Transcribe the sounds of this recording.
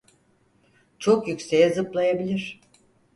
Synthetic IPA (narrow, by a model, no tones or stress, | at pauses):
t͡ʃʰo̞kjycse̞jɛzɯplˠajabilʲiɾ̥